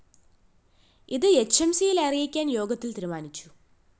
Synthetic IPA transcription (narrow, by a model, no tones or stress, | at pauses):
iðɨe̞t͡ɕːɐmsijilɐrijikʲːaːnjo̞ːɡɐt̪ːilt̪iɾumaːnit͡ɕːu̥